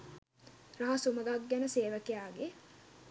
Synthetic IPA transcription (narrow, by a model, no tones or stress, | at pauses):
raɦɐsuməɡaɡːænəseːʋəkejaːɡe